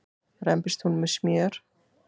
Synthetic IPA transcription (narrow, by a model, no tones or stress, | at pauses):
rɛmpɪst̪hunmɛsmjœːɾ̥